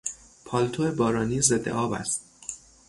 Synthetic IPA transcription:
pʰɒːlt̪ʰoebɒːɾɒːniːze̞d̪ːḛʔɒːbæ̰st̪̚

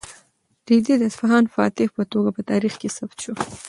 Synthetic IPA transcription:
ɾid̪id̪əsfaɦɑnfɑ̰t̪ɪhpət̪oɡapət̪ɑɾixkesabt̪ʃo

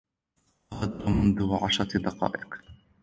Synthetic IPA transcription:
had̪mʊnðʊʕaʃɾˤɑd̪ɑqɑ̰ːʔɪq

